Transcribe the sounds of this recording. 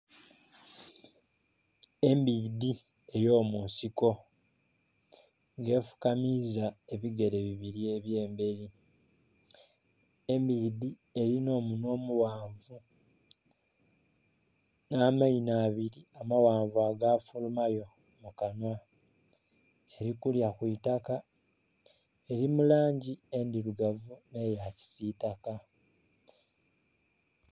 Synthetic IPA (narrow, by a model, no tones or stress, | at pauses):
e̞mbidi | e̞jo̞ːmunsiko̞ | ŋɡe̞ːfu̥kamizae̞βiɡe̞ɾe̞βiβiɾieβje̞ːmbe̞ɾi | e̞mbidi | e̞ɾino̞ːmuno̞ːmuwaːɱvu | naːmainaːβiɾiamawaːɱvaːɡaːfulumajo̞ | mukanwa | e̞ɾikuljakwuitaka | e̞ɾimulaːɲɟie̞ndiɾuɡavune̞jaci̥sitaka